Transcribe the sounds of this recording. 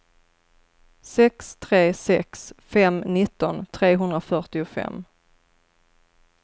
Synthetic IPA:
sɛkst̪ʰɾeːsɛksfɛmnɪt̪ːɔnt̪ʰɾeːɦɵnd̪ɾafœʈɪʊfɛ̰mː

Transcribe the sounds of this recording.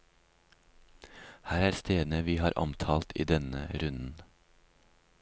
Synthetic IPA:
hæːɾæːɾst̪eːn̩əʋiːhɑːɾʔɔ̰mt̪ʰɑːlt̪ʰḭːd̪ɛnə̰ɾʉnn̩

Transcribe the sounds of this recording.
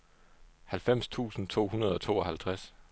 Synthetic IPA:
hælfem̰st͡sʰṵːsn̩t͡sʰo̝̰ːhunɐð̞ˠɒ̽t͡sʰo̝̰ːɒ̽hælt͡sʰʁas

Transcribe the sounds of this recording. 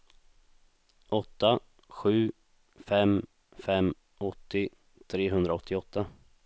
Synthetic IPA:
ʔɔt̪ːa | ɧʉ̟ː | fɛm | fɛm | ɔt̪ːɪ | t̪ʰɾeːɦɵnd̪ɾaɔt̪ʰːɪɔt̪ʰːa

